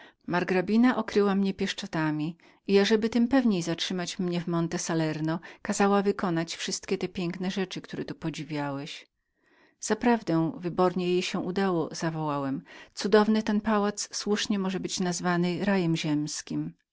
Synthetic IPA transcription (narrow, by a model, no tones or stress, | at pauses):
maɾɡɾabʲinaʔɔkɾɘwamɲɛpʲjɛʂt͡ʂɔt̪amʲi | iaʐɛbɘt̪ɘmpɛvɲejzatʂɘmat͡ɕmɲɛvmɔnt̪ɛsalɛɾnɔkazawavɘkɔnat͡ɕfʂɘst̪kʲɛt̪ɛpʲjɛŋknɛʐɛt͡ʂɘkt̪uɾɛt̪upɔd͡ʑivʲjawɛɕ | z̥apɾavd̪ɛ̃w̃vɘbɔɾɲɛjejɕɛ̃ʔud̪awɔz̥avɔwawɛmt̪sud̪ɔvnɘt̪ɛnpawat̪sswuʂɲɛmɔʐɛbɘt͡ɕnazvanɘɾajɛmʑɛmskʲim